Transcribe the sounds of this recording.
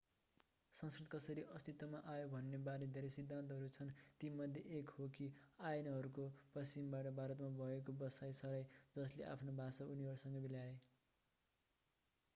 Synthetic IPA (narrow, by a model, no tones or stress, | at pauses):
sʌnskrit̪kʌsʌɾiʔʌst̪it̪wʌmaʔajobʱʌnːebaɾed̪ʱeɾesid̪ʱːant̪̬ʌɦʌɾut͡sʰʌnt̪imʌd̪ʱjeʔekhokiajnʌɦʌɾukopʌst͡simbaʈʌbʱaɾʌt̪mabʱʌek̬obʌsajsʌɾajd͡zʌsleʔa̰pʰnobʱasauniɦʌɾusʌŋɡʌbiljae